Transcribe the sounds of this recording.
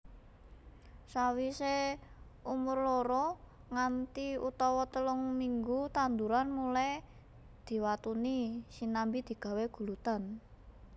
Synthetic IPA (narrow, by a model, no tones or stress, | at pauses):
sawise | umʊrloɾɔ | ŋant̪iut̪ɔwɔt̪əlʊŋmiŋɡut̪and̪uɾanmulaj | d̪̥i̤wat̪unisinambid̪̥i̤ɡ̥a̤weɡ̥ṳlut̪an